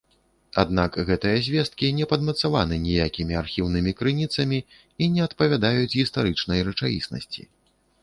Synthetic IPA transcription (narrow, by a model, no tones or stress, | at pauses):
a̰d̪nakɣɛt̪ɨjɐzʲvʲɛst̪̚kʲinʲɛpɐd̪mɐt̪savanɨnʲijakʲimʲiarxʲiwnɨmʲikɾɨnʲit̪sɐmʲi | inʲɛɐt̪pɐvʲad̪ajut͡sʲɣʲist̪aɾɨt͡ʂnɐjrɐt͡ʂajḭsnɐ̰sʲt͡sʲḭ